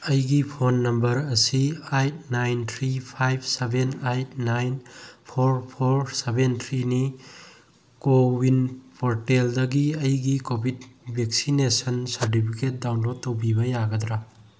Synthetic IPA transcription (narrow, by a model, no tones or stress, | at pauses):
ɐjɡipʰonːɐmbɐɾɐsiajt̚najnt̪ʰɾipʰajb̚ʰsebʱenajt̚najnpʰoɾpʰoɾsebʱent̪ʰɾini | kowinpoɾteldɐɡiɐjɡikobʱidbʱek̚sinesɐnsɐɾt̬ipʰiket̚dawnlod̚tːowbibɐjaɡɐd̪ɾa